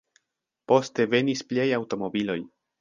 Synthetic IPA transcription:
po̞ste̞ve̞nispliajawto̞mo̞bilo̞j

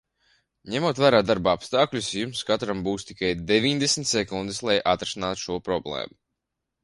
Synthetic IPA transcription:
ɲɛmuɔt̪væːɾaːd̪aɾbapst̪aːklʲusjumskat̪ɾambuːst̪ikajd̪evʲiɲd̪esmʲt̪ʲsɛkund̪ɨslˠajʔat̪ɾɛsinaːt̪u̥ʃuɔpɾɔblˠɛ̰ːmu

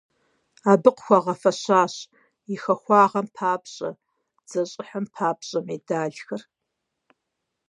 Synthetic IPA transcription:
aːbɨqxʷaʁɐfɐɕaːɕ | ixɐxʷɑːʁɐmpʰaːpɕʼɐ̰ | d͡z̥ɐɕʼɪħəmpʰaːpɕʼɐmeːdaːɮxɐr

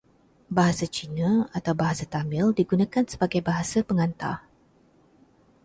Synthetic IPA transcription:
baɦasat͡ʃinãat̪awbaɦasat̪amɪldiɡunãkansə̥baɡajbaɦasapəŋãnt̪a̰

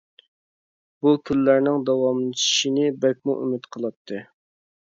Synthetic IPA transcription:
b̥ukʲʰylːæɾnɪŋd̪ɑwɑmlˠɨt͡ʃʰi̥ʃinɪbɛk̚ʲmuʔy̰mɪt̪qʰəlˠɑt̪ʰːɨ

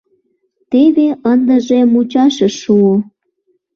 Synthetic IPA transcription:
t̪eβeənd̪ə̆ʒemut͡ɕɑʃəʃuo

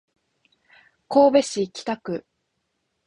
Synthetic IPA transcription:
ko̞ːbe̞ɕikʲi̥t̪akɯ̟

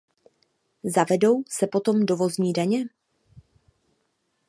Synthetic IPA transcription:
zavɛdo̞wsɛpo̞t̪o̞mdo̞vo̞zɲiːdaɲɛ

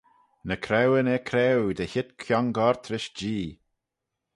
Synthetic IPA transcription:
nəkʰɾɛwənɛkʰɾɛwd̪əçɪt̪kʰjɔŋɡɔɹt̪ʰɾɪʃd͡ʒiː

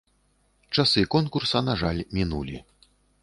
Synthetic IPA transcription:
t͡ʂasɨkɔnkursɐnaʐalʲmʲinulʲi

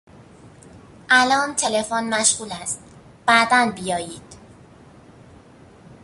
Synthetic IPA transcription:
ʔælɒːmt̪ʰe̞le̞fonmæʃɣuːlæst̪̚ | b̥æd̪ænbijɒːjiːd̪̥

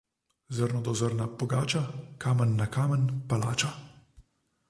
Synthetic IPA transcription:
zəɾnɔd̪ɔzəɾnapɔɡaːt͡ʃakaːmənːakaːmənpala̰ːt͡ʃa

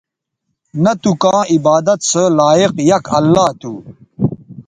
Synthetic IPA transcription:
nɐt̪ukãːibaːd̪ɐt̪səlaːiqjɐkʰɐlːaːt̪uː

